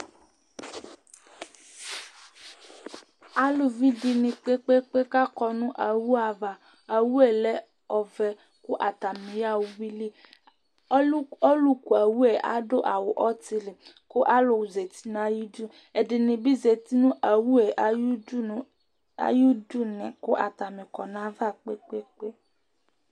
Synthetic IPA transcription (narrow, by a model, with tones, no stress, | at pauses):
a˦lu˨vi˦di˧nĩ˧k͡pe˦k͡pe˦k͡pe˦ka˦kɔ˧nũ˦ʔa˨wu˦a˧˨va˨ | a˨wu˦ɛ˦˨lɛ˦ | ɔ˧vɛ˧ | ku˦ʔa˨ta˨mĩ˨˦a˦˨wwi˦li˦ | ɔ˦lu˦ku˨a˨wu˦ɛ˨a̰˦do˦ʔa̰˨wo˨ʔɔ˦ti˧li˨ | ko˦ʔa˦lo˨ze˨ti˨˦nã˨˦ju˦du˦ | ɛ˨di˧nĩ˧bi˦ze˧ti˦nũ˦ʔa˨wu˦ɛ˨˦u˦˨˦ | a̰˨˦ju˦du˦˨nɛ̃˨ko˦ʔa̰˨ta˨mĩ˨kɔ˨nã˨˦va˦˨k͡pe˦k͡pe˦k͡pe˦